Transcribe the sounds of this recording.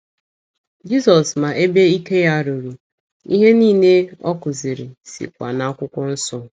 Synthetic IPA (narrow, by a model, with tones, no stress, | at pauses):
d͡ʒi˦sɔ˨sma˨ʔe˦be˦i˦ke˦ja˦˨ɾu˨ɾu˨ | i˦ɦe˦niː˦˨ne˦ɔ˦kʊ˨zɪ˨ɾɪ˨sḭ˨kʷa̰˨na˦a˦kʷʊ˦kʷʊ˦n̩˦sʊ˦